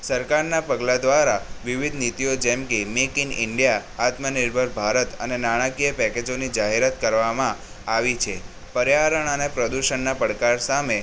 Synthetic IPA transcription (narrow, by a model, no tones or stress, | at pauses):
səɾkaɾnapəɡlad̪ʋaɾaʋiʋid̪ʱnit̪ijod͡ʒɛmkemekinɪɳɖijaːt̪mənɪɾbʱəɾbʱaɾət̪ənenaɽ̃akijəpɛked͡ʒonid͡ʒaɦeɾat̪kəɾʋamã | aʋit͡ʃʰe | pəɾjaɾəɳ̃ənepɾəd̪uʃəɳnapəɽkaɾsame